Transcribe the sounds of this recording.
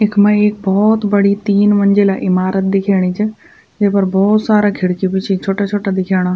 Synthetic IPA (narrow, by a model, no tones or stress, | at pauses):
ɪkʰmɐ̃eːk̚bɔːt̪bɐɽ̤it̪iːnʋɐ̃ɲd͡ʑelaːʔɪmaːɾət̪̚d̪ɪkʰaːɽ̃it͡ʃʰe | d͡ʑẽɦpɐɾbɔːt̪saːɾakʰɪɽkipɪt͡ʃʰit͡ʃʰoːʈat͡ʃʰoːʈad̪ɪkʰaːɽ̃a